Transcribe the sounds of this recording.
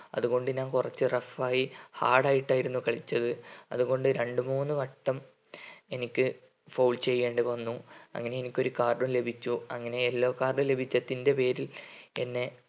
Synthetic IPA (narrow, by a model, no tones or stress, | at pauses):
ɐ̰ðuɣo̞ɳɖɨɲaːnkurɐt͡ɕːɨrɐfaːjiha̰ːɽaːjiʈːaːjiɾunːukɐɭit͡ɕːɐðɨɐ̰ðuɣo̞ɳɖɨɾe̞ɳɖɨmuːnːɨʋɐʈːɐm | e̞nikʲːɨ | fɐwlt͡ɕe̞jːe̞ːɳɖɨʋɐnːuɐ̰ŋːɐne̞enikʲːo̞ɾukaːrɖumle̞bʱit͡ɕːuɐŋːɐne̞elːo̞ːkaːrɽɨle̞bʱit͡ɕːɐt̪ːinde̞pe̞ːɾile̞nːe̞